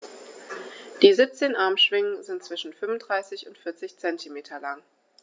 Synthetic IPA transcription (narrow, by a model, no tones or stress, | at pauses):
d̥iːzip̚t͡seːnʔaɐmʃv̥ɪŋənzɪntt͡sv̥ɪʃn̩fʏmvʊnd̥ʁaɪsɪçʊntfɪɐt͡sɪçt͡sɛntʰimeːtʰɐlaŋ